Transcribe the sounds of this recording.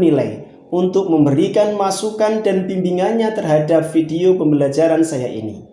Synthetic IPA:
nilaj | unt̪ʊk̚məmbəɾikanmasukandanbimbiŋanɲat̪ərɦadap̚fideopəmbəlad͡ʒaɾansaja̰ʔḭnḭ

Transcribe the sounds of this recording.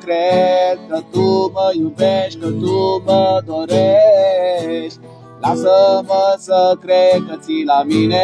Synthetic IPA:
kɾek̪ɐt̪uməjupeɕkɐt̪uməd̪ʱoɾe | ɕ | lasəməsəkɾekɐt͡silamine

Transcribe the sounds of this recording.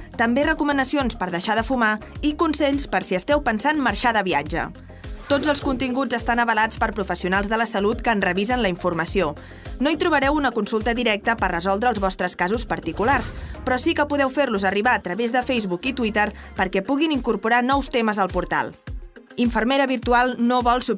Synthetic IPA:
t̪əmberəkumənəsionspəɾðəʃaðəfumaikunsɛʎspəɾsiəst̪ɛwpənsanməɾʃaðəβiad͡ʒə̰ | t̪od͡zəlˠskunt̪iŋɡud͡zəst̪anəβəlat͡spəɾpɾufəsiunalˠzðələsəlut̪kəːnrəβizənləiɱfuɾməsio | noit̪ɾuβ̞əɾɛwunəkunsulˠt̪əðiɾɛk̚t̪əpərəzɔlˠd̪ɾəːlˠzβɔst̪ɾəskazuspəɾt̪ikularspɾɔsikəpuðɛwfeɾluzəriβaət̪ɾəβezðəfejzβukit̪wit̪əɾpəɾkɛpuɣiniŋkuɾpuɾanɔwst̪eməzəlˠpuɾt̪a̰lˠ | iɱfərmeɾəβiɾt̪ualˠnoβɔlˠsu

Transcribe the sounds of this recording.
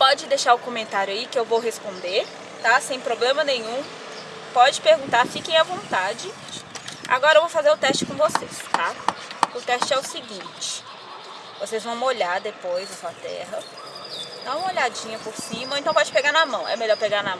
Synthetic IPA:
pɔd͡ʒɪd̪eʃaɾʊkõmẽnt̪aɾjʊɐikɪewvowɦespõnd̪eɾ | t̪asẽj̃pɾoblẽmɐnẽj̃ũ | pɔd͡ʒɪpeɾɡũnt̪aɾfikẽj̃ɐvõnt̪ad͡ʒɪ | a̰ɡɔɾɐewvowfazeɾʊt̪ɛʃt͡ʃɪ̥kõvosest̪aʊt̪ɛʃt͡ʃɪɛʊsiɡĩt͡ʃɪ̥ | vosejzvɐ̃w̃oʎaɾd̪epojzɐsuɐt̪ɛ̰ɦɐ | nɐ̃w̃moʎad͡ʒĩɲɐpoɾsĩmɐõẽt̪ɐ̃w̃pɔd͡ʒɪpeɡaɾnɐmɐ̃w̃ʔɛ̰meʎɔɾpeɡaɾnɐm̃w̃

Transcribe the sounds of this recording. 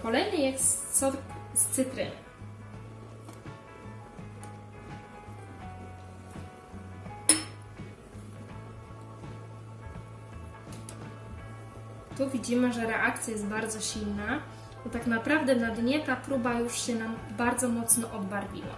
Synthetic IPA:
kɔlɛjnɘjɛssɔst̪sɘt̪ɾɘ̰ | t̪uvʲid͡ʑimɘʐɛɾɛʔak̚t̪sʲjajɛst̪baɾd̪zɔɕilna | ɔt̪aknapɾavd̪ɛnad̪ɲɛt̪apɾubajuʂɕɛnambaɾd̪zɔmɔt̪snɔʔɔd̪baɾvʲḭwa̰

